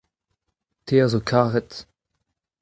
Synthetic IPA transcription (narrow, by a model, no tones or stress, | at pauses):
tʰeːɐzokʰaːʁɛt